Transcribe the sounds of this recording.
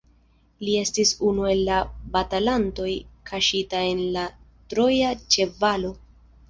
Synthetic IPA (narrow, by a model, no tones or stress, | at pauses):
lie̞stisunue̞lːabatalanto̞jkʰaʃitae̞nla | tɾo̞jat͡ʃe̞valo̞